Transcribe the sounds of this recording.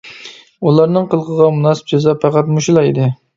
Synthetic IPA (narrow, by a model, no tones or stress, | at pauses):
ulˠɑɾnɨŋqəlˠʁəʁɑmunɑsɨ̥p̚d͡ʒezɑpʰɑqɑt̪muʃlˠɑid̪ɪ